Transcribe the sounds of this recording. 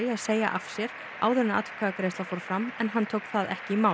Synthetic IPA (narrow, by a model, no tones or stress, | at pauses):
aðseːjaʔafsjɛɾ | a̰ːwðɛɾnːaa̰t̪vkʰaːðakɾejst̪afɔɾ̥fɾamɛnɦant̪ʰowkθaðɛ̰hcɪimaːw